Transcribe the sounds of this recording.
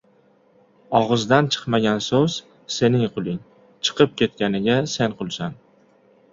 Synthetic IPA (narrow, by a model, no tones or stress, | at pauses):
ɒʁɨzd̪ant͡ʃʰɨ̥qmaɡʲansɵz̥ | se̞nɪŋqʰʊlˠɪŋ | t͡ʃʰɨ̥qʰɨp̚kʲe̞t̪̚kʲanɪɡʲase̞nqʊlˠsan